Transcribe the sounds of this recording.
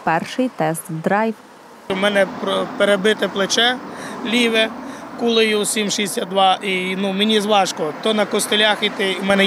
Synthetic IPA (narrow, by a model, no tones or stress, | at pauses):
pɛrʃɪjt̪ɛst̪d̪ɾɑjw | mɛnɛpɾɔpeɾebɪt̪ɪplˠet͡ʃɛlʲiʋɛkulˠɪjʊsʲimʃisʲad̪ʋɑʔinumenʲizʋˠɑʃkɔt̪ɔnɐkɔst̪elʲaxit̪ɪmɛnɛ